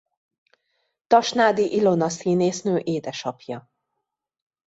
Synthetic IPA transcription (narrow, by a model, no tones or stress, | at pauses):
t̪ɒʃnaːd̪iʔilo̞nɒsiːneːsnøːʔeːd̪ɛʃɒpjɒ